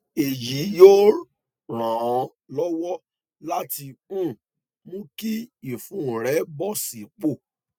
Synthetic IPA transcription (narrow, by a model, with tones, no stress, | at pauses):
e˨ji˨˦jo˦ | ɾ̃ã˨ɔ̃˧ | lɔ˦wɔ˦ | la˦ti˧ũ˦˨ | mũ˦ki˦i˨fũ˨˦˨ɾɛ˨˦bɔ˦˨si˨˦k͡po˦˨